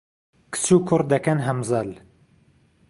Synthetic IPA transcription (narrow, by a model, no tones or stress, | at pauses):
kʰɨ̥suːkʰʊɾ̚d̪ɐkɐnɦɐmzɐl